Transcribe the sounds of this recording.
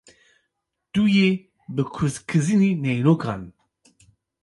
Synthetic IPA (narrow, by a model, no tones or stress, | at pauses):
t̪uje | bɨkʰuzkʰɨzininɛjnoːkʰa̰ːn